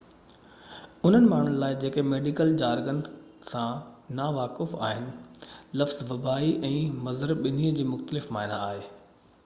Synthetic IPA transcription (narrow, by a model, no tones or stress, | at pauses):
ʊn̤ənɪ̆maːɳ̤ʊnɪ̆laːɪd͡ʑeːkemeːɖikəld͡ʑaːɾɡən | sãnaʋaːkɪfaːɦɪnɪ̆lɐfz̥ʋɐbaːiʔɛ̃ːmɐzəɾəbɓɪn̤iːəd͡ʑiːmʊxt̪əlɪfmaːɪnaaːɦeː